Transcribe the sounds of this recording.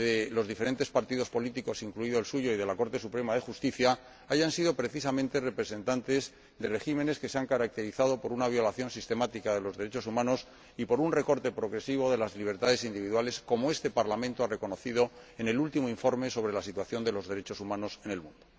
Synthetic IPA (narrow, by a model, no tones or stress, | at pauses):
elo̞zðifeɾe̞nt̪e̞spaɾt̪iðo̞spo̞lit̪iko̞siŋkluiðoelsuʝoiðe̞lako̞ɾt̪e̞supɾe̞maðe̞xust̪iθja | aʝansiðopɾe̞θisamẽnt̪e̞re̞pɾe̞sẽ̞nt̪ant̪e̞z | ðe̞re̞xime̞ne̞ske̞seaŋkaɾak̚t̪e̞ɾiθaðo̞po̞ɾunaβ̞jo̞laθjo̞nsist̪e̞mat̪ikaðe̞lo̞zðeɾet͡ʃo̞sumãno̞s | ipo̞ɾunre̞ko̞ɾt̪epɾo̞ɣɾe̞siβo̞ðe̞lazliβ̞e̞ɾt̪aðe̞sind̪iβiðwale̞sko̞moe̞st̪e̞paɾlamẽnt̪oare̞ko̞no̞θið̞o̞ene̞lult̪imoiɱfo̞ɾme̞so̞β̞ɾe̞lasit̪waθjo̞nd̪e̞lo̞zðe̞ɾe̞t͡ʃo̞sumãno̞se̞ne̞lmũnd̪o